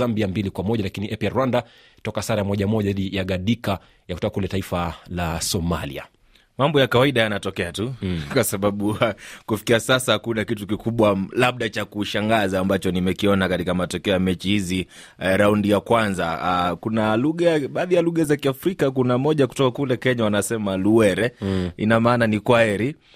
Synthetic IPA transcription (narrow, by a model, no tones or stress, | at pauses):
ambiambilikwamɔʄalakiniʔɛpiaɾwanda | tɔkasaɾajamɔʄamɔʄaiɗijaɠaɗika | jaku̥tɔkakulɛtaifalasɔma̰lḭa̰ | mambɔjakawaiɗajanatɔkɛatukwasaɓaɓukufi̥kiasasahkunakitukikuɓwalaɓ̚ɗat͡ʃakuʃaŋɡazaːmbat͡ʃɔnimɛkiɔnakatikamatɔkɛɔjamɛt͡ʃihizi | ɾaundijakwanza̰kunaluɠaɓaːðijaluɠazakiafɾikakunamɔʄak̬u̥tɔkakulɛkɛɲawanasɛmaluɛɾɛḭnamaːnanikwaɛɾi